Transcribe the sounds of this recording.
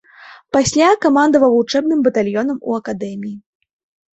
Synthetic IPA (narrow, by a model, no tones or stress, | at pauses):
pasʲlʲakamand̪ɐvɐvult͡ʂɛb̚nɨmbɐt̪alʲjɔn̪ɐmṵɐkad̪ɛmʲiji